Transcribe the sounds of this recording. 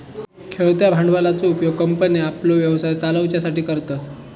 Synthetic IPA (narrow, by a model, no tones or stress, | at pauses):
kʰeɭt̪jabʱaɳɖʋalat͡soupjoɡ̚kəmpəniaploʋjəʋsajt͡saləʋt͡ɕjasaʈiːkəɾt̪əː